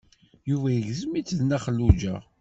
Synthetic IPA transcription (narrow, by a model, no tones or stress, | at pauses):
juvæjəʝzəmit͡sːðnæχəlːud͡ʒæ̰